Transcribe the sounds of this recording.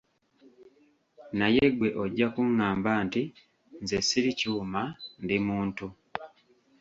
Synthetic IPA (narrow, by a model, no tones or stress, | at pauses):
najeɡwe̞ʔo̞ɟːakuŋːaːmbaːnti | nzesiɾicuːmandimuːntu